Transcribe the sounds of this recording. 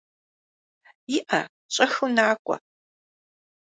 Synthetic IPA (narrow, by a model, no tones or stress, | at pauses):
jɪʔɐ | ɕʼɐxunaːkʷʼɐ̰